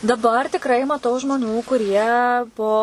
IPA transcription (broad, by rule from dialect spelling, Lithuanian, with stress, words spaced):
dɐˈbɐr tʲɪkˈrɐɪ mɐˈtɐʊ ʒmoːˈnʲuː kʊˈrʲiɛ poː